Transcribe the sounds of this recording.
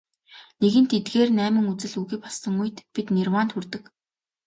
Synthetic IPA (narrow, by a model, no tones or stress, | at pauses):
neɣɘ̆nt̪ʰet̪ɡeːrnæːmɘ̆ŋut͡sɘ̆ɮuɣiːpɔsə̆ŋujt̪pit̪nirwaːnt̪xurt̪ɘ̆k